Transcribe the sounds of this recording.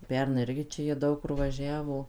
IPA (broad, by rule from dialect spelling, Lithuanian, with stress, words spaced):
ˈpʲɛrnɐɪ ˈɪrʲɡʲɪ ˈt͡ʃʲɛ jiɛ ˈdɐʊk kʊr ʋɐˈʒʲæːʋoː